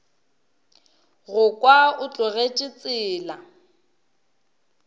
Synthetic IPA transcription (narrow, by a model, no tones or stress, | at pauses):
ɣʊkʼwaʊt͡ɬʼʊɣet͡ʃʼɪt͡sʼɪːla